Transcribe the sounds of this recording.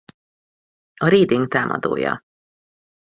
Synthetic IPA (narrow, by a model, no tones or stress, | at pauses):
ɒɾeːd̪iŋɡ̚t̪aːmʔɒ̰d̪oːjɒ